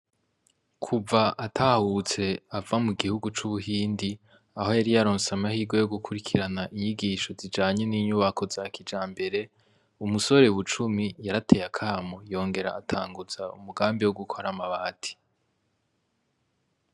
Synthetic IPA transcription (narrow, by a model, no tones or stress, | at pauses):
kʰuvaʔatʰahut͡se̞avamuɡihuɡut͡ʃuβuhiːndi | aho̞jaɾijaɾoːnsamahiːɡo̞jo̞ɡukʰuɾikʰiɾanaʔiɲiɡiːʃo̞zid͡ʒaːɲeniɲuβakʰo̞zakid͡ʒaːmbe̞ɾe̞ | umuso̞ɾe̞uβut͡ʃumijaɾatʰe̞jakʰaːmo̞jo̞ːŋɡe̞ɾa̰ːtʰaːŋɡuz̥aṵmuɡaːmbiwoɡukʰoɾamaβaːtʰi̥